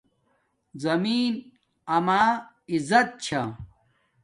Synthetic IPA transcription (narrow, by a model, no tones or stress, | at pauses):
zɐmiːn | ɐmaː | izɐt̪̚t͡ɕʰɐ